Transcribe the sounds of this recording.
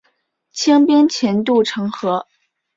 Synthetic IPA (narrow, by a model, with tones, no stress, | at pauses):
t͡ɕʰi˥ŋpji˥ŋt͡ɕʰjɛ˧˥nt̪u˥˩ʈ͡ʂʰɤ˧˥ŋxɤ˧˥